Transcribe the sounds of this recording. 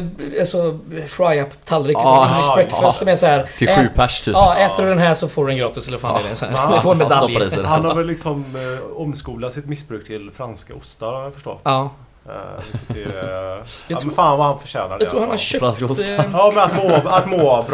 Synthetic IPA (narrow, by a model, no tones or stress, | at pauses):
asɔfɾajapt̪ʰalːɾɪɾɛkːfœst̪mɛsɔhæːɾʰɪɧʉːpʰæʂt̪ʰʉːɑːɛːt̪əɾɵd̪ɛnɦæːʂɔfoːɖɵɛnɡɾɑːt̪ɪsɛləɾfaːnɡɛ̰jəsɔæ̰ɾdɛfɔːɾɛnmɛd̪aiːshanhaɾvɛlːɪksɔmɔmskuːlat̪sɪt̪mɪsbɾʉːk̚t̪ʰɪlfɾanska̰ʊst̪aɾhaɾjafœʂʈɔ̰t̪ːɑ̰ː | ɪɛ | jɑt̪faːnvahanfœɕɛ̰ːna̰dɑt̪ʰɾuːɾhanhaɾʃœɾanssːmɛnat̪moat̪moːbɾ